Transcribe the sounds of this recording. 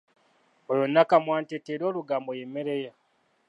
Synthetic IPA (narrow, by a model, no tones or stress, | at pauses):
ojonːakamwaːnteteɾo̞ːluɡaːmbojemeɾeja